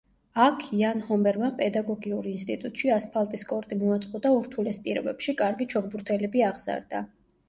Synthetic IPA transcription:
akʰianhɔmbɛɾmapʼɛd̪aɡɔɡiuɾinst̪ʼit̪ʼut̪ʼʃiaspʰalˠt̪ʼiskʼɔɾt̪ʼimuat̪sʼqʼɔd̪auɾt̪ʰulɛspʼiɾɔbɛpʃikʼaɾɡit͡ʃʰɔɡ̚buɾt̪ʰɛlɛbiaʁz̥a̰ɾd̪a̰

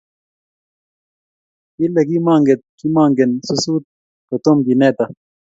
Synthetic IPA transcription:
ilɐɡimaːŋɡet̪̚kimaːŋɡensusuːt̪̚ | kɐt̪omɡ̪ineːt̪ɐ

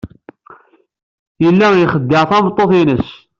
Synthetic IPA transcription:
jəlːæjχəd̪ːɪɾθæmt̪ˤːoθinəs

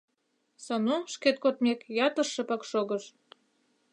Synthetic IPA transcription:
sɑnuʃket̪̚kot̪mʲekjɑt̪ɤ̆rʃɤ̆pɑkʃoɣɤ̆ʃ

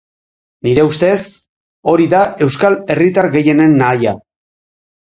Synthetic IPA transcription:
niɾe̞ust̪e̞s | o̞ɾiðae̞wskale̞rit̪aɾɣe̞je̞ne̞nːaːja

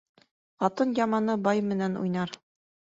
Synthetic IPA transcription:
qɑt̪ɤnjɑmɑnɤbɑjmɘ̆nænṵjnɑɾ

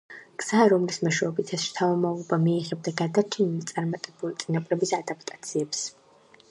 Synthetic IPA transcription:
ɡ̥z̥aɾɔmlismɔʃwɛɔbit̪ʰɛsɾt̪ʰaɔmalˠɔbamiɛʁɛbd̪aɡad̪at͡ʃʰɛnilit̪sʼaɾmat̪ʼɛbulit̪sʼinapʼlɛbisad̪ap̚ʰt̪ʼḁt̪sʰiɛps

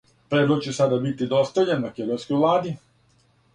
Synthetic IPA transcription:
pɾed̪lok̪t͡ɕesad̪abit̪id̪ost̪aʎenmaked̪ojnskojvlˠaːd̪i

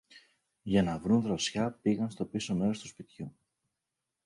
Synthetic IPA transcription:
ʝɐnɐvɾunðɾo̞sçɐpiɣɐnst̪o̞piso̞me̞ɾo̞st̪uspit̪çu

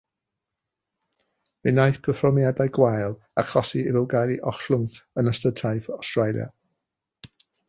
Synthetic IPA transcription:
mɪnajpʰəfɔmjadajɡwajlˠ | akʰɔsiɪvəwɡaɾiʔɔɬʊŋtənəstətʰajvɔstrajlˠja̰

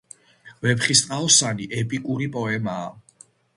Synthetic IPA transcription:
vɛpχist̪ʼqʼaɔsaniʔɛpʼikʼuɾipʼɔɛmaː

